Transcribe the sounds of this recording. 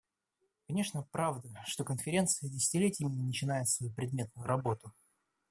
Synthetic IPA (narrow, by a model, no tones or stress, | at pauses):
kɐnʲe̞ʂnəpɾavd̪əʂt̪o̞kənfʲɪɾʲe̞nt̪sɨjədʲɪsʲɪ̥tʲɪlʲetʲɪmʲɪnʲɪnət͡ɕɪnajɪt̪svɐjupɾʲɪd̪̚mʲe̞t̪̚nʊjʊɾɐbo̞t̪ʊ